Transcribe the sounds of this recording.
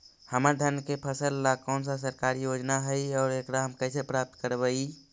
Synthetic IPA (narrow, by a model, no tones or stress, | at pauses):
həməɾd̪ʱənkepʰəsəlːakɔʊnsas̬əɾkaɾijod͡ʒnaɦəjɔːɾekɽaɦəmkəɪsepɾap̚t̪kəɾbəi